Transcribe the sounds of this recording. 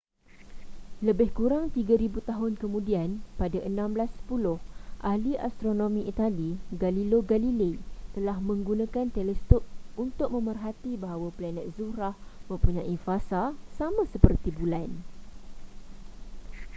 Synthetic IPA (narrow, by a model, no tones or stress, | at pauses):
ləbɪhkuɾaŋt̪iɡaɾibut̪aɦʊnkəmũdianpadaʔənãmblasə̥pulʊhʔahliʔa̰st̪ɾonõmĩʔit̪aliɡaliloɡalilet̪əlahmə̃ŋɡunãkant̪ɛlɛst̪ɔp̚unt̪ʊk̚mə̃mərɦat̪ibaɦawaplanɛt̪̚zuɾahmə̃mpuɲãifasasamãsəpərt̪ibulan